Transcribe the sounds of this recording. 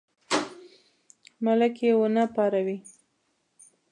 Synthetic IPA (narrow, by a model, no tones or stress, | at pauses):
malakjewənapɑɾawi